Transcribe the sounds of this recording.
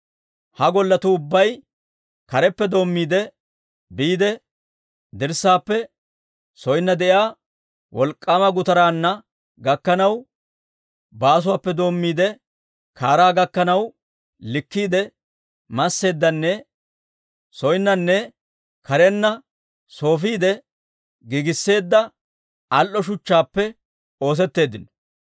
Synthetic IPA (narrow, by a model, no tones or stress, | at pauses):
hɐɡɔlːɐt̪uʊbːɐj | kɐɾɛpːɛd̪o̞ːmːiːd̪ɛ | biːd̪ɛ | d̪ɪɾsːaːpːɛ | sɔjnːɐd̪ɛʔjaː | wʔɔlkʼːaːmɐɡʊt̪ɐɾaːnːɐ | ɡɐkːɐnɐw | baːs̬ʊwaːpːɛd̪o̞ːmːiːd̪ɛ | kʰaːɾaːɡɐkːɐnɐw | lɪkːiːd̪ɛ | mɐsːe̞ːd̪ːɐnːɛ | sɔjnːɐnːɛ | kʰɐɾɛnːɐ | so̞ːfiːd̪ɛ | ɡɪɡɪsːe̞ːd̪ːɐ | ɐlʔːɔʃʊt͡ʃːaːpːɛ | o̞ːs̬ɛt̪ːe̞ːd̪ːɪnɔ̥